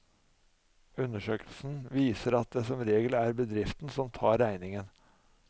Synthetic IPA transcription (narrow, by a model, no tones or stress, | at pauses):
ʉnəʂøːkəl̩sn̩ʋiːsəɾɑt̪̚d̪ɛsɔmɾeːɡəlæɾbəd̪ɾɪft̪n̩sɔmt̪ʰɑːɾæɪnɪŋən